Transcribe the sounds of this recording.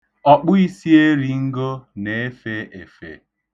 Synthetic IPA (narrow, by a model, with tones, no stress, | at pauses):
ɔ˨k͡pʊ˦i˦si˦e˦ɾi˨ŋ̩˦ɡo˦ne˨e˦fe˦e˨fḛ˨